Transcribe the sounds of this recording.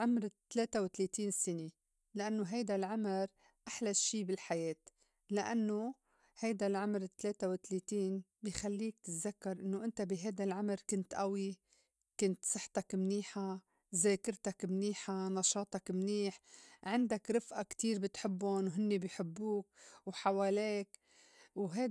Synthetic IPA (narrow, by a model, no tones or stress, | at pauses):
ʕʊmɾt̪ːleːt̪awɪt̪leːt̪iːnsɪne | laʔanːoɦajd̪alʕamɪɾ | ʔaħlaʃiːbɪlħajeːt̪ | laʔanːo | hajd̪alʕʊmɾɪt̪ːleːt̪awɪt̪leːt̪iːnbixalːiːk̚t̪ɪt̪zakːɑɾˤʔɪnːoʔɪnt̪abiɦajd̪alʕamɾkʊnt̪ʔawi | kʊnt̪sˤɨħt̪ɑkmniːħa | zeːkɪɾt̪akmniːħanɑʃɑːt̪ˤɑkmniːħʕɪnd̪akɾɪfʔakt̪iːɾbɪt̪ħɪbːʊnwɦɪnːebɪjħɪbːuːk̚wħawaːleːk | wɦa